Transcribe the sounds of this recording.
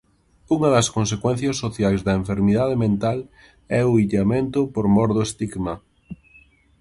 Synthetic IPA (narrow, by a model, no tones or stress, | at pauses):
uŋɐðɐskõns̬ekwɛnθjɐsːoθjajzðɐeɱfeɾmiðað̞emẽnt̪al | ɛʊiʎamẽnt̪ʊpoɾmɔɾðoest̪iɣma